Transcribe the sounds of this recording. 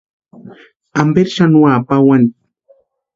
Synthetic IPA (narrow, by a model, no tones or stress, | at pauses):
ambeɾʃanuapawan